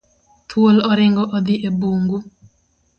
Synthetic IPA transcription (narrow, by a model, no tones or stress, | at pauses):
t̪ʰwolɔɾɪŋɡɔʔɔd̪iʔebuŋɡu